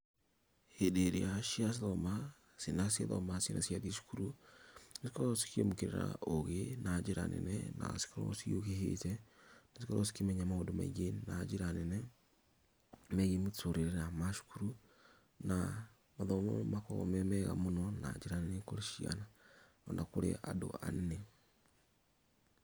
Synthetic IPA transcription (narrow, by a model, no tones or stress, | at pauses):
hedeɾeaʃias̬iðɔma | sinasja̰ðɔ̰masenʔa̰sjaðiʃu̥kuɾunesi̥kɔɔsi̥kiḛmukeɾḛɾa̰oɣenad͡ʒeɾa̰nɛ̰nɛ̰na̰si̥kɔɾɔ̰siokeɦḛtɛnasikɔɾʔɔsi̥kemɛɲamaodoma̰ɣenad͡ʒeɾanɛnɛ | mɛɣemetoɾeɾeɾamaʃu̥kuɾu | na | maðɔmomakɔmɛmɛɣa̰monɔna̰d͡ʒeɾanɛnekoɾeʃia̰na | ɔnakoɾḛʔado̰a̰nne